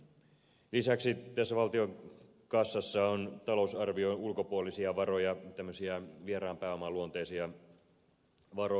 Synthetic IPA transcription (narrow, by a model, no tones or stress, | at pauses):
lisæksit̪æsːæʋɑlt̪io̞ŋ | kɑsːɑsːɑont̪ɑlo̞usɑrʋio̞nulko̞puolisiɑʋɑrojɑt̪æmːøsiɑʋieɾɑːmpæːo̞mɑluont̪ejsiɑ | ʋɑɾo